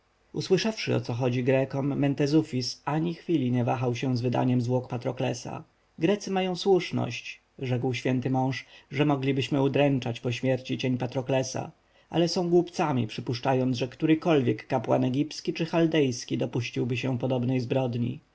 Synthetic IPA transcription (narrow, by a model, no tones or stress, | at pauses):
uswɘʂafʂɘ̰ɔ̰t̪sɔxɔd͡ʑiɡɾɛkɔmːɛnt̪ɛzufʲisaɲixfʲilʲiɲɛvaxawɕɛzvɘd̪a̰ɲɛmzwɔkpat̪ɾɔklɛsa̰ | ɡɾɛt̪sɘmajɔ̃w̃swuʂnɔ̰ɕt͡ɕ | ʐɛkwɕfʲjɛnt̪ɘmɔ̃w̃ʂʐɛmɔɡlʲibɘɕmɘud̪ɾɛnt͡ʂat͡ɕpɔɕmʲjɛɾt͡ɕit͡ɕeɲpat̪ɾɔklɛsa̰ | ʔa̰lɛsɔ̃w̃ɡwupt̪samʲipʂɘpuʂt͡ʂajɔnd̪ʐɛkt̪uɾɘkɔlvʲjɛkːapwa̰nɛɡʲipskʲit͡ʂɘxald̪ɛjskʲid̪ɔpuɕt͡ɕiwbɘɕɛpɔd̪ɔbnɛjzbɾɔd̪ɲḭ